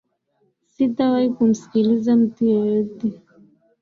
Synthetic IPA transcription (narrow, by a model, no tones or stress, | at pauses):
sitawaikum̩si̥kilizam̩tujɔjɔtɛ